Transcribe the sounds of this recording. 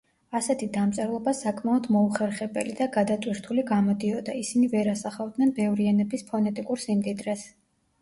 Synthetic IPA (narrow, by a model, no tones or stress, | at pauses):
asɛt̪ʰid̪amt̪sʼɛɾlˠɔbasakʼmaɔd̪mɔuχɛɾχɛbɛ̰lid̪aɡad̪at̪ʼwiɾt̪ʰuliɡamɔd̪iɔd̪aisinivɛɾasaχavd̪nɛnbɛvɾiɛnɛbispʰɔnɛt̪ʼikʼuɾsimd̪id̪ɾɛs